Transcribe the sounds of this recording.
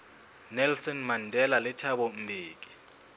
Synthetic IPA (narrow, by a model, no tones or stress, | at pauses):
nɛlsɔnmandʱɛlalɛtʰaɓɔm̩bʱiːk̬i̥